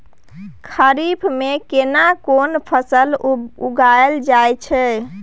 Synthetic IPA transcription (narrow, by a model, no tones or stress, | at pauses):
kʰəɾibʰmekenakonpʰəsəluɡaeld͡ʒajt͡ʃʰɛ